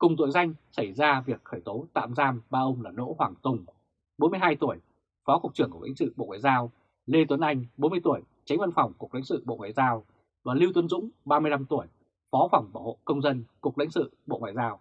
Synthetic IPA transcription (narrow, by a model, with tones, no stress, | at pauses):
kʊ˨˩ŋ͡mt̪̬ṵ˧˨jza˧jŋ̟sa˧˩jzaː˧vi˨˩ək̚xəː˧˩jt̪o˨˦t̪a̰ː˧˨mzaː˧mɓaː˧ʔə˧wŋ͡mlaː˨˩no̰˧˥hwaː˨˩ŋt̪ʊ˨˩ŋ͡m | ɓo˨˦nmɨ˧əjhaː˧jt̪u˧˩əj | fɔ˨˦kʊ˨˩k̚t͡ɕɨ˧˩əŋku˧˩˨lḭ̈˧˥ŋ̟sɨ̰˧˨ɓo̰˧˨ŋwa̰ː˧˨jzaː˧w | le˧t̪wə˨˦nʔa˧jŋ̟ɓo˨˦nmɨ˧əjt̪u˧˩əj | t͡ɕa˨˦ŋ̟və˧nfa˨˩wŋ͡mkʊ˨˩k͡p̚lḭ˧˥ŋ̟sɨ̰˧˨ɓo̰˧˨ŋwa̰ː˨jzaː˧w | vaː˨˩li˧wt̪wə˨˦nzʊ̰˧˥ŋ͡mɓaː˧mɨ˧əjla˧mt̪u˧˩əj | fɔ˨˦fa˨˩wŋ͡mɓaː˧˩ho̰˧˨kə˧wŋ͡mzə˧nkʊ˨˩k͡p̚lï˧˥ŋsɨ̰˧˨ɓo̰˧˨ŋwa̰ː˧˨zaː˧w